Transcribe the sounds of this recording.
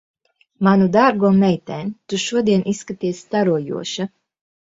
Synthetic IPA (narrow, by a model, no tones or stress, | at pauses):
manud̪aɾɡuɔmɛjt̪ɛːnt̪uʃuɔd̪iɛnʔisːkat̪iɛsʲt̪aɾuɔjṵɔʃa